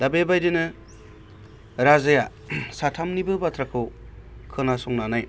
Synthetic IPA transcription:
dabebajdɯnɯ | ɾazaja | satʰamnibɯbatʰɾakʰɯ | kʰɯnasɔŋnanaj

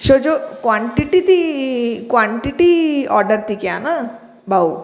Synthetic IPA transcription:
ʃod͡ʒokʋãɳʈiʈit̪ikʋaɳʈiʈiɔ̰ɾɖəɾt̪ikja̰na | bʱaw

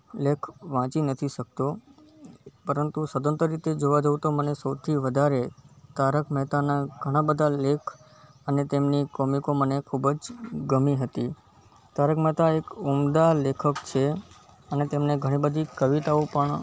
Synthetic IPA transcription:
lekʰʋãt͡ʃinət̪ʰiʃək̚t̪o | pəɾənt̪usəd̪ənt̪əɾit̪ed͡ʒoʋad͡ʒəʋt̪omənesəwt̪ʰiʋəd̪ʱaɾet̪aɾəkʰmɛt̪anaɡʱəɽ̃abəd̪ʱalekʰ | ənet̪emnikɔmikomənekʰubd͡ʒɡəmiɦət̪i | t̪aɾəkmɛt̪aekumd̪alekʰəkt͡ʃʰe | ənet̪emneɡʱəɽ̃ibəd̪ʱikəʋit̪aopəɳ

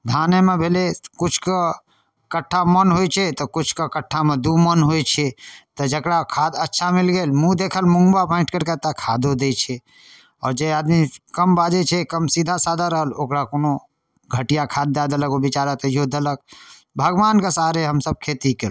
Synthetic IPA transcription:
d̪ʱaːnemebʱelekʊt͡ʃʰka | kəʈʰːamənɦojt͡ʃʰɛt̪ɔkʊt͡ʃʰkakəʈʰːamẽd̪umənɦojt͡ʃʰɛt̪ɔd͡ʒəkɽakʰaːd̪ətːʃʰamilɡeːlmũd̪ekʰəlmʊ̃ŋɡbapaɪ̃ɳʈkəɾkət̪akʰaːd̪od̪et͡ʃʰɛ | ɔːɾd͡ʒeaːd̪mikəmbad͡ʒet͡ʃʰɛkəmsid̪ʱasad̪ʱaɾəɦəlokɽakono | ɡʱəʈijakʰad̪̚ːad̪ələkobit͡ʃaɾət̪iod̪ələk̚ | bʱəɡʋaːnkasaɦɾeɦəmsəb̚kʰeːt̪ikel

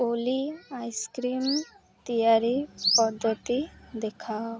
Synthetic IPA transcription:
oliajskɾim | t̪ijaɾipəd̪ʱːət̪id̪ekʰaw

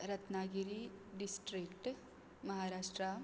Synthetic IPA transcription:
ɾɐt̪naɡiɾiɖisʈɾikʈ | mɐɦaɾaːʂʈɾa

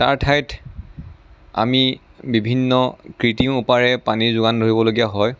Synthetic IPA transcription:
ta̰ɹtʰajt | a̰mibibʱinːɔkɹitiupaɹɛpaniɹzʊɡandʱoɹibɔloɡijaɦɔj

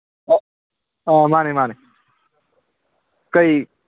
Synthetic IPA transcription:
amaːnemaːne | kəiː

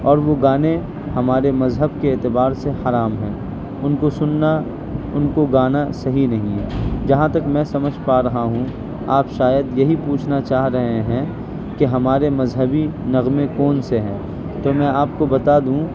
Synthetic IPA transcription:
ɔːɾʋoɡaːne | hɐmaːɾemɐzɦəbkeːt̪ɪbaːɾsehɐɾaːmɦɛ̃ː | ʊnkosʊnːa | ʊnkoɡaːnasɐɦinɐɦĩɦɛd͡ʒɐɦãt̪ɐkmɛ̃ːsɐməd͡ʒʱpaːɾɐɦaɦũ | aːpʃaːjəd̪jɐɦipuːt͡ʃʰnat͡ʃaːɦɾɐɦeɦɛ̃ | keɦɐmaːɾemɐzɦəbinɐɣmẽkɔːnseɦɛ̃ː | t̪oːmɛ̃ːaːp̚kobɐt̪ad̪ũː

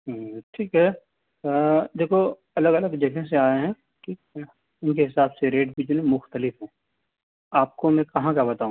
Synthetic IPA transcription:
ʈʰiːkɦɛ | d̪eːkʰo | ɐləɡɐləɡd͡ʒɐɡʱẽs̬eaːeɦɛ̃ | ki | ʊnkeɦɪsaːbseɾeːʈ̚bid͡ʒunẽmʊxt̪əlɪfɦɛ̃ː | aːp̚komɛ̃kɐɦãkjabɐt̪aːũː

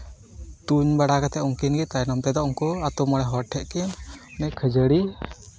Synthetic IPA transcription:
t̪uɲbaɽakat̪ɛuŋkinɡɛt̪ajnɔmt̪ɛd̪ɔʔuŋkɔat̪ɔmɔɽɛɦɔʈʰːɛʔkɛnnɛʔkʰəd͡ʒəɽi

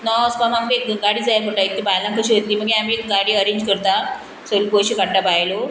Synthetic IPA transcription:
nɔspamaɡbekɡaɽiːd͡zajpəʈaek̚t̪ibajlãŋkəɕiːʋet̪liːməɡeamiekɡaɽiːəɾẽɲd͡ʑkəɾt̪a | səlukojɕikaɳʈabajlo

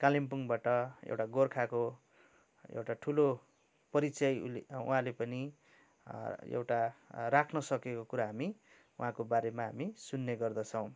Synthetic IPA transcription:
kalimpuŋbaʈʌḛwʈaɡorkʰako | ḛwʈaʈʰulo | pʌɾit͡sʌj̰lṵɦãlepʌni | ḛwʈarakʰnʌsʌkekokuɾaɦami | uɦãkobaɾemaɦamisunːeɡʌrd̪ʌt͡sʰʌ̃w̃

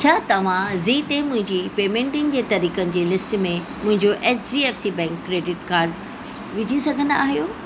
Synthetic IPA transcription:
t͡ɕʰaːt̪ɐʋ̤ãziːt̪emʊ̃ɦɪ̃ɲd͡ʑipeːmẽːɳʈɪnd͡ʑeːt̪ɐɾiːkənɪ̆d͡ʑeːlɪsʈmẽ | mʊ̃ɦɪ̃ɲd͡ʑoʔeːsd͡ʑiːeːfsibɛ̃ːŋkːɾeːɖɪʈkaːɾɖ | ʋɪd͡ʑʱisɐɡʱə̃nd̪aaːɦijoː

